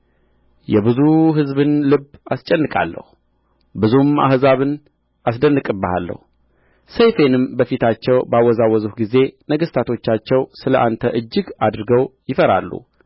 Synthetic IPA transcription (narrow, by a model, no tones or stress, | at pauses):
jɛbɨzuɦɨzbɨnlɨbast͡ʃʼɛnːɨkʼa̰lːə̰hu | bɨzuma̰hzaβɨn | ʔasd̪ənːɨkʼɨbəha̰lːə̰hu | sejfenɨmbəfit̪ʰat͡ʃːɛwbawːɔzawːɔzuhɡize̞nəɡəst̪ʰat̪ʰo̞t͡ʃːat͡ʃːɛwsɨləʔant̪ʰəʔɨd͡ʒːɨɡad̪ɾɨɡəwjɪfəɾa̰lːṵ